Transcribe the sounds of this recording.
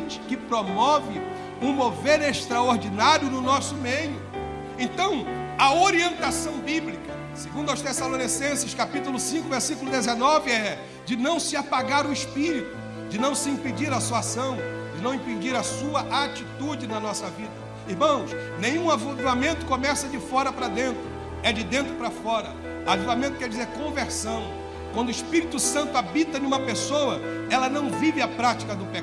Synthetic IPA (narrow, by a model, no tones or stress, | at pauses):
t͡ʃɪ̥kɪpɾomɔvɪ | ũmoveneʃt̪ɾaoɾd͡ʒinaɾjʊnʊnɔsʊmejʊ | ẽnt̪ɐ̃w̃ɐoɾiẽnt̪asɐ̃w̃biblikɐ | seɡũd̪ʊɐwst̪esalõnisẽsɪʃkapit̪ʊlʊsĩŋkʊveɾsikʊlʊd̪ezenɔvɪɛ | d͡ʒɪnɐ̃w̃sɪapaɡaɾʊɪʃpiɾit̪ʊ | d͡ʒɪnɐ̃w̃sɪĩped͡ʒiɾɐsuasɐ̃w̃d͡ʒɪnɐ̃w̃ĩped͡ʒiɾɐsuɐʔat͡ʃit̪ud͡ʒɪnɐnɔsɐvid̪ɐ | ihmɐ̃w̃s | nẽjɲ̃ũavud̪uamẽnt̪ʊkomɛsɐd͡ʒɪfɔɾɐpɾɐd̪ẽnt̪ɾʊ | ɛd͡ʒɪd̪ẽnt̪ɾʊpɾɐfɔɾɐ | avivamẽnt̪ʊkɛɾd͡ʒizeɾkõveɾsɐ̃w̃ | kwɐ̃nd̪ʊiʃpiɾit̪ʊsɐ̃nt̪ʊabit̪ɐnũmɐpesowɐ | ɛlɐnɐ̃w̃vivɪapɾat͡ʃi̥kɐd̪ʊpe